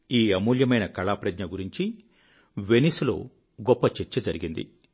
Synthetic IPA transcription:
iːɐmuːljɐmɐjnɐkɐɭaːpɾɐdɲɐɡuɾiɲt͡ʃi | ʋe̞nislo̞̰ː | ɡɔpːɐt͡ʃet͡ʃːɐd͡ʒɐɾiɡind̪ḭ

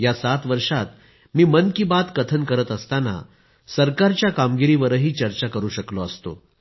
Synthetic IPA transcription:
jasat̪ʋəɾʂat̪ | miːmənkiːbat̪kət̪ʰənkəɾət̪əst̪ana̰ | səɾkaɾt͡ɕjakamɡiɾiʋəɾəɦiːt͡ɕəɾt͡ɕakəɾuːɕəkloəst̪o̰

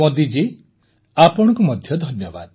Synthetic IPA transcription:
ɔd̪id͡ʒe | apɔɽ̃ɔ̃kumɔd̪ʱjɔd̪ʱɔnjɔba̰d̪

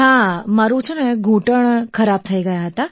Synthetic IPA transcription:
ɦãmaɾũt͡ʃʰuneɡʱũʈəɳ̃kʰəɾab̚t̪ʰəiɡəjaɦət̪a

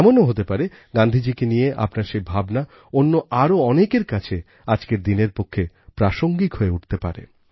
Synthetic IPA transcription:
monoɦot̪epaɾe | ɡand̪ʱid͡ʑikenijeʔa̰pnaɾʃejbʱabna | onːoʔaɾoɔnekeɾkat͡ɕʰe | ad͡ʑkeɾd̪ineɾpokʰːe | pɾaʃoŋɡikɦoeuʈʰt̪epa̰ɾḛ

